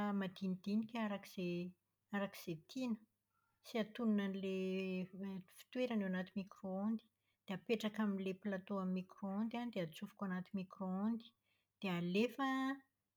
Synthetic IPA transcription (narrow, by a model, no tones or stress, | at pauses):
mad̪inid̪̥inikʲaɾakiz̥e | aɾaki̥z̥et̪ʰinə̥ | siat̪ununanle | fi̥t̪weɾanewanat̪imikroond̪i̥ | d̪̥eapeʈ͡ʂakaminlepilat̪oamimikroond̪anid̪eat͡sufu̥kʲoanat̪imikroond̪i̥ | d̪̥ealefa